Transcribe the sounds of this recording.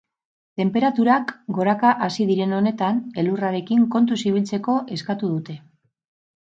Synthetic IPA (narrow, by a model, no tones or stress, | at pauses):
t̪e̞mpe̞ɾat̪uɾakɡo̞ɾakaʔasiðiɾe̞no̞ne̞t̪ane̞luraɾe̞kiŋko̞nt̪usiβ̞ilt͡se̞ko̞ʔe̞skat̪uðut̪e̞